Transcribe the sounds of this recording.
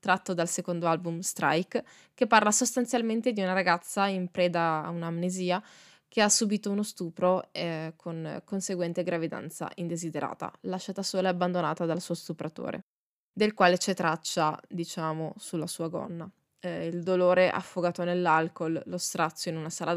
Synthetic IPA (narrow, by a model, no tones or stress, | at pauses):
t̪ɾat̪ːod̪alsekond̪oalbumst̪ɾʔa̰jkː | epːarlasost̪ant̪sjalment̪ed̪iunaɾaɡat̪sːaimpɾɛːd̪aunamneziːa | k̟easːubiːt̪ounost̪uːpɾoɛkʰonkonseɡwɛnt̪eɡɾavid̪a̰nt̪sa̰ʔind̪ezid̪eɾa̰ːt̪a̰laʃːat̪asoːlaabːand̪onaːt̪ad̪alsuːost̪upɾat̪o̰ːɾḛ | d̪elkwaːlet͡ʃɛt̪ɾat͡ʃːad̪it͡ʃaːmosulːasuːaɡɔ̰nːa | ild̪oloːɾeʔa̰fːoɡaːt̪onelːalkolːost̪ɾat̪sːjoinunasaːla